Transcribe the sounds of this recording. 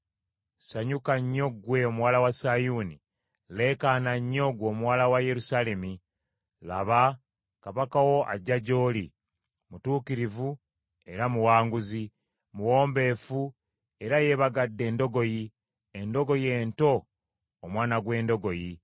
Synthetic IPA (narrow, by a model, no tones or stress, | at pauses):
saɲukaɲːo̞ɡwe̞omuwaːlawasajuni | le̞kanaɲːo̞ɡwo̞ːmuwaːlawaje̞ɾusale̞mi | laβa | kaβakawo̞ʔa̰ɟaɟo̞ːli | mutuːkiɾivu | e̞ɾamuwaːŋɡuzi | muwo̞ːmbe̞ːfu | e̞ɾaje̞βaɡadːe̞ːndo̞ɡo̞ji | endo̞ɡo̞je̞ːnto̞ː | mwaːnaɡwe̞ːndo̞ɡo̞ji